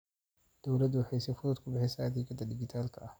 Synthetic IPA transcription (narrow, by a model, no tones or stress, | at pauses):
d̪̥ɔwlɐd̪ʊwħejsɛfʊðʊd̪kʰʊbɪħɪsad̪ikʰɐd̪ɐd̪ɪɡɪt̪ʰaːlkʰɐʔɐh